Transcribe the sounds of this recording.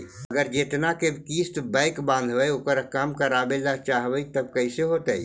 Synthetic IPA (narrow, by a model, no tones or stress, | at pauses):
əɡəɾd͡ʒeːt̪nakebkiːst̪baɪkbãːnd̪ʱʋəeokəɾəkaːmkaɾaːbellat͡ʃaːɦʋəit̪əb̚kəɪseɦoːt̪ai